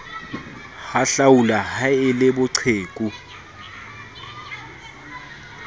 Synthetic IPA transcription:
xaɬawulahaɪlɪbʊǀʰeːkʼu

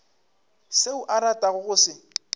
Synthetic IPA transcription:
seʊʔaɾatʼaɣʊɣʊːsɪ

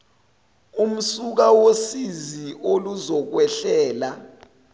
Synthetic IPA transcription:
um̩suk̬awosiziʔoluzɔk̬wɛɬɛːla

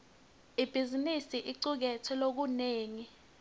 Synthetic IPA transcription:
ib̥ʱizinisiʔiǀuk̬ɛtʰɛlok̬uneːŋi

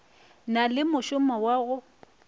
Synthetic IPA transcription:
nalɪmʊʃʊmawaɣʊ

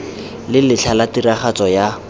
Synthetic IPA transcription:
lɪlɪt͡ɬʰalatiraχat͡sɔja

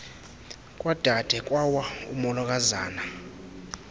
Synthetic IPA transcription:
kʼwad̥ʱad̥ʱɛkʼwawaumɔlɔk̬ʼaza̰ːna

